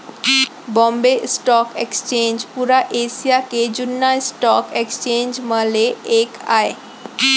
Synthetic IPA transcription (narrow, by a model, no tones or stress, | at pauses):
bɔmbeʔsʈɔkekst͡ɕend͡ʑpuɾaʔesijaked͡ʑunːajsʈɔkekst͡ɕend͡ʑmaleekʰae